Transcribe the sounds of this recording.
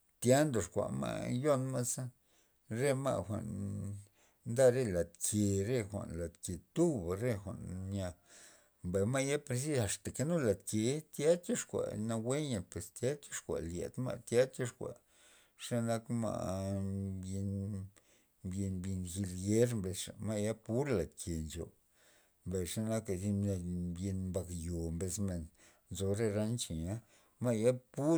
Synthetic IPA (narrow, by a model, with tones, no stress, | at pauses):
t̪ja˦nd̪o˨ʂkʷa̰˨ma̰˧˦jo˦nma˦sa˦ | ɾe˦ma̰˧xʷa̰˨n | nd̪a˦ɾe˦˧la˨t̪kʰe˨ɾe˦xʷa̰˨nla˨d̪ke˨t̪u˦bɾe˧xʷa˨ʔnja˧ | mba˨ma˦ja˦pɾe˧s̬i˦a˨st̪a˨ke˧nu˦la˨t̪ke˨˦t̪ja˦t͡ʃo˦ʂkʷa̰˨na˧we˦a˨pwe˨st̪ja˦t͡ʃo˦ʂkʷa̰˨ʔljḛ˨d̪ma̰˦˧t̪ja˦t͡ʃo˦ʂkʷa̰˨ | ʂa˦na˦kma̰˧ʔ | bje˧n | bje˧nbji˧nxi˧lɡe˦ɾmbe˧ʂa̰˨ma˦ja˦pu˦ɾla˨d̪kʰe˨nt͡ʃo̰˨ | mba˨ʂa˦na˦ka˧˨zi˦˧bje˧nmba˧kjo˨mbe˧sme˨n | nzo˧ɾe˦˧ɾa˦nt͡ʃi˨ɲa˦ | ma˦ja˦pu˦